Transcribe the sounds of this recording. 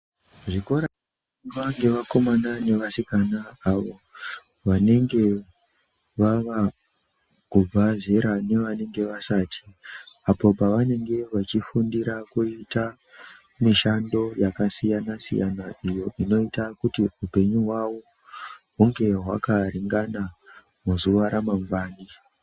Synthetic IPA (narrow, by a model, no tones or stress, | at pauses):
ʐikoɾa | ʋaŋɡe̞ʋako̞manane̞ʋasikanaːʋo̞ | ʋane̞ŋɡe̞ | ʋaʋa | kub͡vaze̞ɾane̞ʋane̞ŋɡe̞ʋasatʰi̥apo̞paʋane̞ŋɡe̞ʋat͡ʃifundiɾakuita | miʃando̞jakasijanasḭjanaʔijo̞ino̞itakutiupe̞ɲuɦwawo̞ | uŋɡe̞ɦwakaɾiŋɡana | muzuʋaɾamambaːni